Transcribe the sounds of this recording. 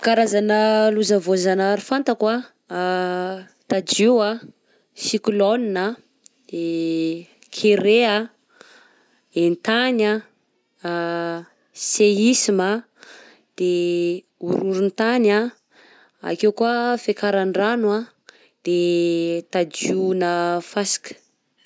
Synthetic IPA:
kaɾazanəluzavozanaɾifant̪akwa | t̪ad͡ʒiwa | sikulonina | d̪̥e | kʰeɾea | ent̪ana | seisima | d̪̥e | uɾuɾunt̪ana | a̰kewkuafekaɾanranwa | d̪̥et̪ad͡ʒunəfasi̥kə̥

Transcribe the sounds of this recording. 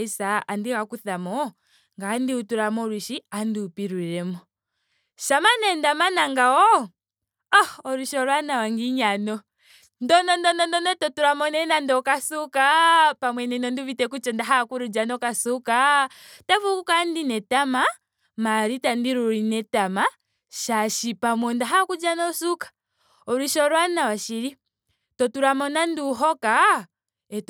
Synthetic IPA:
isaandiɣakuθamɔ | ŋɡandiutuɾamɔɾuʃiandiupiɾuɾɛmɔ | ʃamanɛndamanaŋɡaɔ | ɔːɾuʃɔɾwanawaŋɡiɲanɔ | ndɔnɔndɔndɔndɔnɛtɔtuɾamɔnɛnandɔkasukapamwɛnɛnɔnduvitɛkut͡ʃɔndaɦakuɾud͡ʒanɔkasukatavukukandinɛtama | maɾitandiɾuɾinɛtama | ʃaʃipamwɔndaɦakud͡ʒanɔsukḁ | ɔɾiʃɔɾwanawaʃiɾi | tɔtuɾamɔnanduɦɔka | ɛt

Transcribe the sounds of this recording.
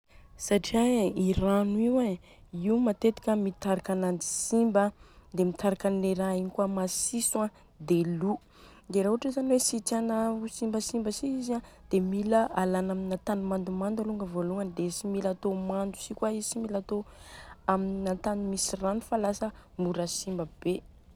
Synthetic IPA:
saʈ͡ʂiaiɾanuiwe | iumat̪et̪i̥kʲəmit̪aɾakanand̪i̥simbəd̪emit̪ʰaɾakanleɾaiɲikwamasisuã | d̪elu | d̪eɾauʈ͡ʂizaniwesit̪anasimbəsimbəsiizãd̪̥emiləalanaminat̪animand̪umand̪aluŋɡəvoluŋənd̪esimilat̪omand̪u̥sikwaisimilat̪o | amininat̪animisiranufalasəmuɾasimbəb̥e

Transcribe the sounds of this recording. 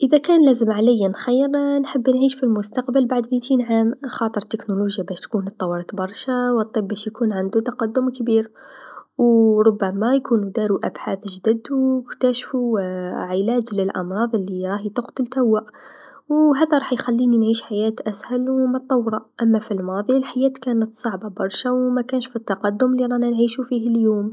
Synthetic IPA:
ʔəðakæːnlæːzəmʕalɪjːanxajːəɾnħəbːnʕiːʃfilmʊst̪ɑqbalbaʕd̪mit̪iːnʕaːmxɑːt̪ˤəɾˤt̪ɪknuluːʒjabæʃt̪kuːnt̪ˤːɑwːɑɾˤɑt̪bɑɾˤʃawɨt̪ˤːɨbːæʃjkuːnʕand̪ut̪ɑqɑd̪ːʊmkbiːɾ | wɾˤʊbːamajkuːnud̪aɾuʔa̰bħaːθʒd̪əd̪wkt̪aʃfuʕɪlæːd͡ʒləlʔɑ̰mɾˤɑːðˤəlːiɾˤɑːhit̪ʊqt̪əlt̪awːaʔ | wɦæðaɾˤɑːħjxælːiːninʕiːʃħajæːt̪ʔæshælwmət̪ˤːɑwːɾˤɑʔamːafilmɑːðˤilħajæːt̪kæːnət̪sˤɑʕbɑbɑɾˤʃawmækæːnʃfit̪ːɑqɑd̪ːʊmlːiɾˤɑnænʕiːʃufiːɦəljuːm

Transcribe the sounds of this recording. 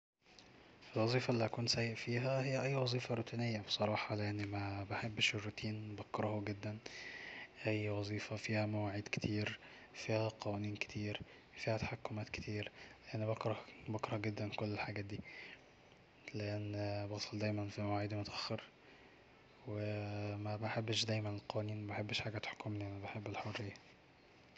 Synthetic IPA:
elwɑzˤiːfɑʔlːiʔækuːnsæjːeʔfiːɦæhejːæʔæjːwɑzˤiːfɑɾˤuːt̪iːnejːæbesˤɑɾˤɑːħɑleʔenːmæbeħebːʃorˤːɑt̪ʰiːnbɑkɾˤɑhuɡed̪ːæn | ʔæjːwɑzˤiːfæfiːhæmæwaʕiːd̪ke̥t̪ʰiːɾ | fiːhæqɑwæniːnke̥t̪ʰiːɾ | fiːhæt̪ḁħakːomæːt̪ke̥t̪ʰiːɾleʔenːbɑkɾˤɑbɑkɾˤɑhɡed̪ːænkolːelħaɡæːt̪̚d̪iː | leʔenːbɑɣsˤɑld̪æːjmænfimæwaːʕiːd̪mʊt̪æʔæxːeɾ | wemæbaħebːʃd̪æːjmænelqɑwæniːnmæbaħebːʃħaːɡæt̪ħo̥kːomlʔænbeħebːelħorːejːæ

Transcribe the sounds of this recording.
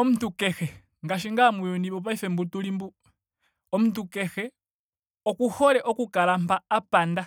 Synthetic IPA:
omutukexɛ | ŋɡaʃiŋɡamujɔndiβɔpaifɛmbutulimbu | omutukexɛ | okuholɛʔokukalampaːpanda

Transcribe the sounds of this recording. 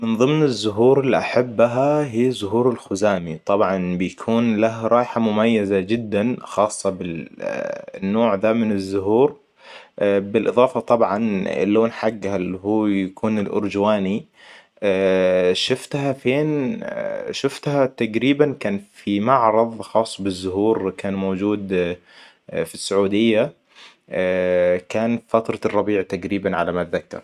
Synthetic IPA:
mɪnðˤɨmnɪzːʊɦuːɾɪlːiʔaħabːɦaɦiːzʊɦuːɾɪlxʊzaːmit̪ˤɑbʕɑnbɪjakʰuːnlaɦɾˤʔɑːʔħamʊmajːazad͡ʒɪd̪ːanxɑːsˤːɑbɪ | nːoːʕðaːmɪnɪzːʊhuːɾ | bɪlʔɨðˤɑːfɑt̪ˤɑbʕɑnɪ̰lːoːnħaɡːhalhuːjakuːnɪlʔʊ̰ɾd͡ʒwaːni | ʃʊft̪hafeːn | ʃʊft̪hat̪aɡɾiːbankaːnfimaʕɾˤɑðˤxɑːsˤːbɪzːʊɦuːɾkaːnmoːd͡ʒuːd̪ | fisːʊʕuːd̪ɪjːa | kaːnfat̪ɾˤɑrˤːɑbiːʕt̪aɡɾiːbanʕalamat̪ðakːɑ̰ɾˤ

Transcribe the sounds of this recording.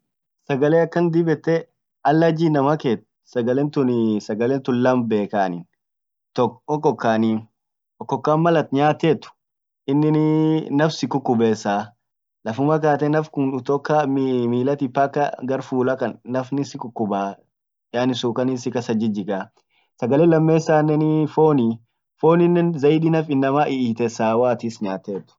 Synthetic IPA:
sɐɡɐleːɐkːɐnd̪ɪbɛt̪ːɛ | ɐlːɐd͡ʒiːnɐmɐkeːt̪̚ | sɐɡɐleːnt̪ʊnɪsɐɡɐlent̪ʊnlɐmbeːkaːnɪn | t̪ɔkɔkːɔkːaːniːn | ɔkːɔkːaːnmɐlɐt̪ɲaːt̪eːt̪ʊ̥ | ɪnːɪnnɐfsɪkʊkːʊbeːsaː | lɐfʊmɐk̬aːt̪ɛnɐfkʊnʊt̪oːkːammiːlɐt̪ɪpːɐkːɐɡɐɾfuːlɐkɐnːɐfnɪsɪkʊkːʊbaː | jaːnɪsuːkɐnɪsɪkɐsɐd͡ʒɪd͡ʒɪkaː | sɐɡɐleːlɐmːeːsːaːnːɛnifoːni | foːnɪnːɛnzɐjd̪inɐfɪnːɐmaːʔɪiːt̪ɛsaːwaːt̪ɪsɲaːt̪ːeːt̪ːʊ̥

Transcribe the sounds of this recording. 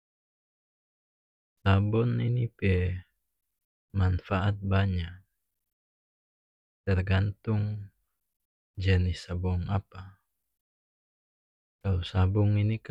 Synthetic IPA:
sabɔninipɛ | manfaʔat̪̚baɲak | t̪ɛrɡant̪uŋ | d͡ʒɛnisabɔŋapa | kalosabɔŋinik

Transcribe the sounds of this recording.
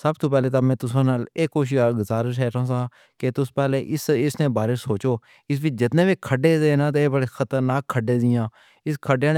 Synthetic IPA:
səbt̪oːpɛːleːt̪aːmɛ̃ːt̪ʊsãːnaːleːkːoːʃ̬iːaːɡəzaːɾəʃ̬ɛːʈʰãːsãː | ket̪ʊspɛːleːʔɪsɪsnẽːbaːɾɪʃsoːt͡ʃoː | ɪs̬ʋɪt͡ʃd͡ʒɪt̪nẽːbiːkʰəɖeːzeːnãːt̪̬ːeːbəɽeːxʰət̪əɾnaːkkʰːəɖeːzɪjãː | ɪskʰəɖãːn

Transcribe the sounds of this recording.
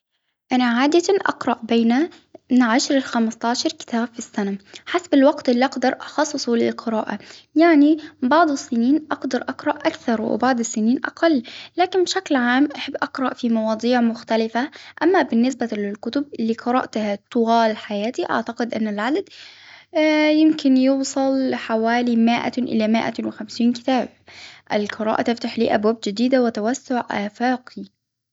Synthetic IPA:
ʔanaʕaːd̪aʔɑ̰qɾˤɑʔbeːna | mɪnʕaʃɾˤɪlxamɪst̪ˤɑːʃɑɾˤkɪ̥t̪ʰaːbfisːanaħasbɪlwɑqt̪ʔɪlːiʔɑqd̪ɑɾˤʔɑxɑsˤːɨsˤulɪlqʰɨɾˤɑːʔajaʕnibɑʕd̪ˤɨsːɪniːnʔɑqd̪ɑɾˤʔɑqɾˤɑʔʔakθɑɾˤwɪ̰bɑʕd̪ˤɪsːɪniːnʔɑ̰qɑlːlaːkɪnbʃaklʕaːmʔaħabːʔɑqɾˤɑʔfimɑwɑːd̪ˤiːʕmʊxt̪alɪfaʔamːabɪnːɪsbalɪlkʊt̪ʊb̚lɪqɑɾˤɑ̰ːʔt̪ahat̪ˤʊɣɑːlħajaːt̪iʔa̰ʕt̪aqɪd̪ʔɪnːalʕad̪ad̪ | jɪmkɪnjuːsˤɑlħawaːlimɪʔa̰ʔɪ̰lamɪʔa̰wɪxamsiːnkɪ̥t̪aːb̚ʔɪlqɨɾˤɑ̰ːʔat̪ɪft̪aħlḭːʔa̰bwaːbd͡ʒɪd̪iːd̪awɪt̪awasːʊʕʔaːfaːqʰi

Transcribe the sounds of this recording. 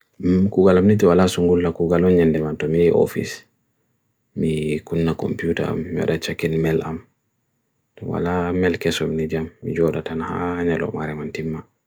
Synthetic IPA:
kuɡalamnitiwalasuŋɡulːakuɡalɔnɲɛndɛmantɔmijɛʔɔ̰fḭs | mikunːakɔ̰mpjuta̰a̰mːiwa̰ɗat͡ʃakːinmɛlam | tɔwa̰lamɛlkɛsɔmnid͡ʒamːid͡ʒɔdatanhaɲalɔ̰maɾɛmantimːa

